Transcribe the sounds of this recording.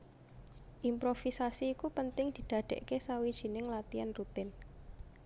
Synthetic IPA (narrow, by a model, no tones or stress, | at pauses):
ʔimpɾofisasiːkupənt̪ɪŋd̪̥i̤d̪̥a̤ɖ̪̥ɛ̰ʔkesawid̥ʒ̥i̤nɪŋlat̪ianrut̪ɪn